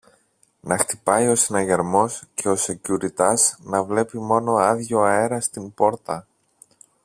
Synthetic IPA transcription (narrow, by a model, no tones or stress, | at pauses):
nɐxt̪ipɐjo̞sinɐʝeɾmo̞scʰe̞o̞se̞cuɾit̪ɐsnɐvle̞pimo̞no̞ɐðʝo̞ɐe̞ɾɐst̪imbo̞ɾt̪ɐ